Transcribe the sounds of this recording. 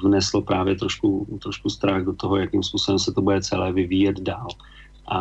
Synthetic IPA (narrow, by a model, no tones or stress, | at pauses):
vnɛsl̩pɾaːvjɛt̪ɾo̞ʃkut̪ɾoʃkust̪ɾaɣdot̪oɦojakimspuːsobɛmsɛt̪obudɛt͡sɛlɛːvɪviːjɛd̪daːl | ʔa